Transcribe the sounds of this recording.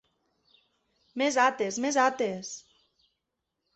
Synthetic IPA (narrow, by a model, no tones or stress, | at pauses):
mezat̪ezmezat̪es